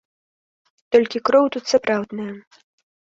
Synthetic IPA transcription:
t̪ɔlʲkʲikɾɔwt̪ut̪sapɾawd̪nɨjɐ

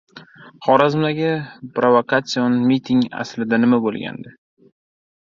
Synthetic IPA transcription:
χɒɾazɪmd̪aɡʲɪpɾovokʰat̪sionmit̪ʰɪŋa̰slɪd̪anɪmabolˠɡʲa̰nd̪ɪ

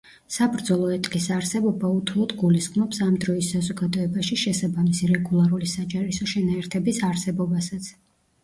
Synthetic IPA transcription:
sabɾd̪zɔlˠɔɛt̪ʼkʼisaɾsɛbɔbaut̪ʰulˠɔt̪ɡuliskʼmɔpsamd̪ɾɔisːazɔɡad̪ɔɛbaʃiʃɛsabamisiɾɛɡulˠaɾulisad͡ʒʼaɾisɔʃɛnaɛɾt̪ʰɛbisaɾsɛbɔbasat̪sʰ

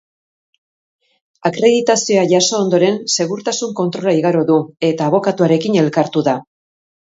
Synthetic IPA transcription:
akɾe̞ðit̪asio̞aʝaso̞ːnd̪o̞ɾe̞nse̞ɣuɾt̪asuŋko̞nt̪ɾo̞laiɣaɾo̞ðue̞t̪aːβ̞o̞kat̪uaɾe̞kine̞lkaɾt̪uða

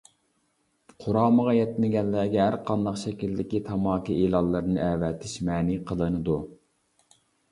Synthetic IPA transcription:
qʰʊɾɑːməʁɑjɛt̪ːnɪɡʲɛnːæɡʲɛɦæɾqʰɑnd̪ɑqʃɛkʲild̪ɪkʲit̪ʰɑmɑːkiʔelˠɑlˠːɨɾɨnɨʔɛwɛt̪ʰɪʃmɛːniqʰəlˠɨnɨd̪u

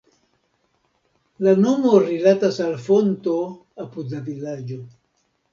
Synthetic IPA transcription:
lano̞mo̞ɾilatasalfonto̞ | apudlavilad͡ʒo̞

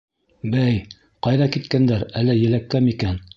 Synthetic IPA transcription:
bæj | qɑjðɑkit̪kænd̪æɾælːɘjɘ̆lækːæmikæn

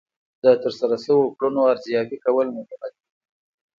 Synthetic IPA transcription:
d̪ət̪əɾsaɾasəwokɽunoaɾzjɑfikawəlmʊt̪amad̪̚i

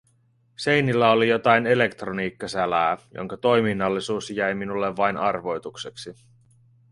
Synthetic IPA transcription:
se̞jnilːæolijo̞t̪ɑjne̞le̞kt̪roniːkːɑsælæːjʔo̰ŋkɑt̪o̞jminːɑlːisuːsjæjminulːeʋːɑjnɑrʋo̞jt̪ukseksi

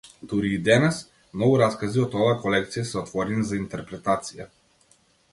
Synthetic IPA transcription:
t̪uɾiːd̪ɛnɛs | mnɔɡuɾaskaziɔt̪ɔvakɔlɛkt̪sijasɛɔt̪vɔɾɛnizaint̪ɛɾpɾɛt̪at̪sija

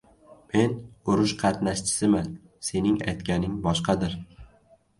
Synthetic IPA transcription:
me̞nʊɾʊʃqʰɑt̪naʃt͡ʃʰɪ̥sɪman | se̞nɪŋa̰jt̪kʲanɪŋbɒʃqɑd̪ɪɾ

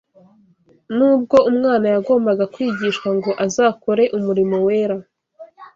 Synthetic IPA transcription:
nuːb̚ɡo̞umŋaːnajaɡo̞ːmbaɡakwiːɟiʃkwaŋɡo̞ʔazaːko̞ɾe̞ʔumuɾimo̞we̞ːɾa

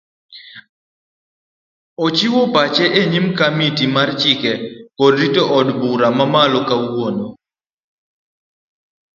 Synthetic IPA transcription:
ot͡ʃiwopat͡ʃɛʔeɲimkamitimart͡ʃɪkɛkɔdɾitoʔɔdbuɾamamalɔkawono

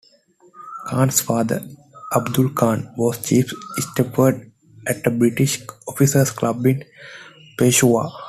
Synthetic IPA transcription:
kʰãːnsfaːd̪ə̰ɾ | ʔɐbd̪ʊlkʰãːnʋɔːst͡ʃiːfsʈepəɖ | ʔæʈ̚d̪əbɾɪʈiʃɔfisəɾsklʌbɪ̃n | peːʃua̰

